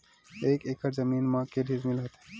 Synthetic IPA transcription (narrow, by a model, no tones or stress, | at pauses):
eːkeːkɐɾzɐmiːnmãːkeɖʱizmilɐt̪e̥